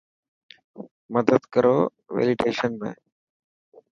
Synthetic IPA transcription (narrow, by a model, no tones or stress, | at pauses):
məd̪əd̪kəɾoː | ʋḛːlɪʈeːʃənmḛ̃ː